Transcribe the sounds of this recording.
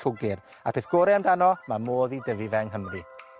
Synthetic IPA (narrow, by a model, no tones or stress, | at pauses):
ʊɡɪr | apʰeːθɡ̥oɾɛmdanɔmamoːðidəvɪvɛŋɦəmrɨ